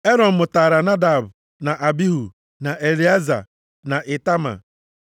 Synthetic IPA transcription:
e˦ɾɔ˨n̩˨mʊ˨taː˨ɾa˨na˦da˨bʊ˨ | na˨ʔa˨bi˦ɦu˨ | na˨ʔe˨li˨˦a˦za̰˨ | na˨ʔɪ˨ta˦ma̰˨

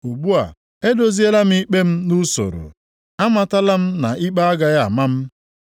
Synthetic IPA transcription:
u˨ɡ͡bu˦a̰˨ | e˦do˨zi˦e˦la˦m̩˦i˦k͡pe˦m̩˦nu˦so̰˨ɾo̰˨ | a˦ma˨ta˦la˦m̩˦na˨ʔi˦k͡pa˦a˦ɡa˨ja˦˨a̰˨ma˦m̩˦

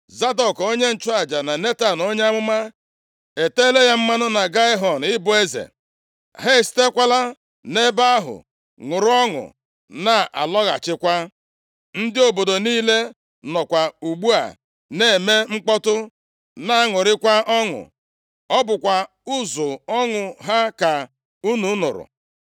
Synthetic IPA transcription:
za˦dɔ˨ko˦ɲe˦n̩˨t͡ʃʊ˦a˨d͡ʒa˨na˨ne˦ta˨n˨o˦ɲe˦a˦mʊ˦ma˦ | e˨te˦le˦ja˦m̩˦ma˦nʊ˦na˨ɡa˦ɪ˦ɦɔ˨n˨ɪ˦bʊ˦˨e˦zḛ˨ | ɦe˦˨si̥˨te˦kʷa˦la˦ | ne˦ba˦a˦ɦʊ̰˨ | ŋʊ˨ɾʊ˦ɔ˦ŋʊ̰˨ | na˨ʔa̰˨lɔ˦ɣa̰˨t͡ʃɪ˦kʷa˦ | n̩˦dɪ˦o˨bo˨do˨niː˦le˦ | nɔ˨kʷa˨u˨ɡ͡bu˦a̰˨ | ne˨e˨me˦ŋ͡m̩˦k͡pɔ˦tʊ˦ | na˨a˦ŋʊ˨ɾɪ˦kʷa˦ʔɔ˦ŋʊ̰˨ | ɔ˦bʊ˨kʷa˨ | ʊ˦zʊ˨ɔ˦ŋʊ˨ɦa˦ka˨ | u˦nu˨˦nʊ̰˨ɾʊ̰˨

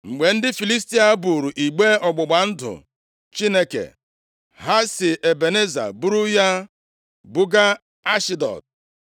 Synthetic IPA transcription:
ŋ͡m̩˨ɡ͡be˨n̩˦dɪ˦fi˨li˦sti˦a˦bu˨ɾu˨ʔi˨ɡ͡be˦ɔ˨ɡ͡bʊ˨ɡ͡ba˨n̩˦dʊ̰˨ | t͡ʃi˦ne˦kḛ˨ | ɦa˦sɪ˨ʔe˨be˨ne˦za̰˨bu˦ɾu˦ja˦ | bu˦ɡa˦ | a˦ʃi˦dɔ̰˨t̚

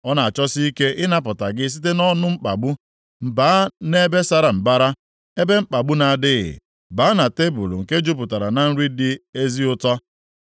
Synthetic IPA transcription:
ɔ˦na˨a˨t͡ʃɔ˦si˦i˦ke˦ʔɪ˦na˦p̬ʊ˨ta˨ɡɪ˦s̬i˦t̬e˦nɔ˦nʊ˦ŋ͡m̩˦k͡pa̰˨ɡ͡bu˦ | m̩˨baː˨˦ne˦be˦sa˦ɾa˨m̩˨ba˦ɾa˦ | e˦be˦m̩˦k͡pa˨ɡ͡bu˦na˨dɪ˦ɣɪ̰˨ | ba˨˦na˨te˦bu˨lṵ˨ŋ̩˨ke˦d͡ʒu˦p̬ʊ˨ta˨ɾa˨na˨n̩˦ɾi˦dɪ˦e˦zi˦ʊ˦tɔ˦

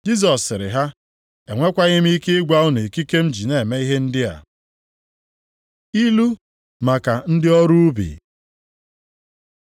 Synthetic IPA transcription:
d͡ʒi˦s̬ɔ˨sːɪ˨ɾɪ̰˨ɦa˦ | e˨ŋʷe˦kʷa˦ɲɪ˦m̩˦i˦ke˦ɪ˦ɡʷa˦ʊ˦ne˨ki˦ke˦m̩˦d͡ʒi˨ne˨me˦i˦ɦe˦n̩˦dɪ˦a̰˨ | i˦lu˦ | ma˨ka˨n̩˦dɪ˦ɔ˦ɾu˦u˦bḭ˨

